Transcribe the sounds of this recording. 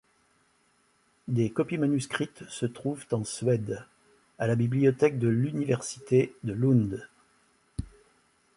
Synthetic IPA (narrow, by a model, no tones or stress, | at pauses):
d̪ekɔpimanyskχit̪sət̪χuvt̪ɑ̃sɥɛd̪ | alabibliɔt̪ɛk̚d̪əlynivɛʁsi̥t̪ed̪əlũnd̪